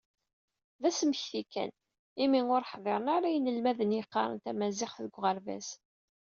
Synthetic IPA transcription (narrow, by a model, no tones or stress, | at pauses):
ðæsəməçθikæ̰n | imiŋʊɾħðˤeɾˤənaɾæjənəlmæðənjəqːɑ̰ɾˤə̰nt̪æmæzɪχθðəɡʷʁəɾvæ̰s